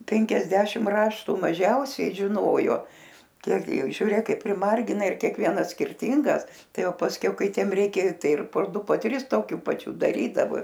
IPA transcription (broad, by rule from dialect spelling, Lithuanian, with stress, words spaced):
ˈpʲɛŋʲkʲɛzʲdʲɛʃʲɪm ˈrɑːʃtʊ mɐˈʒʲɛʊsʲɛɪ ʒʲɪˈnoːjoː ˈkʲiɛk ɡʲɪ ˈjɛʊ ʒʲʊˈrʲeːk ˈkɐɪp pʲrʲɪˈmɐrʲɡʲɪnɐ ɪr kʲiɛkˈʋʲiɛnɐs sʲkʲɪrʲˈtʲiːŋɡɐs ˈtɐɪ ˈjɛʊ pɐsʲˈkʲɛʊ ˈkɐɪ ˈtʲiɛm ˈrʲɛɪkʲɛ ˈtɐɪ ɪr poː ˈdʊ poː ˈtʲrʲɪs toːˈkʲuː pɐˈt͡ʃʲuː dɐˈrʲiːdɐʋoː